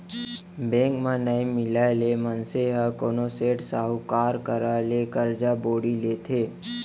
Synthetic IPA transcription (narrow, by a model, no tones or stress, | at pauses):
bẽŋkmãnəĩmɪlaelemənseɦakonoseʈsaɦukaːɾkəɾalekəɾd͡ʒaboːɽileːt̪ʰeː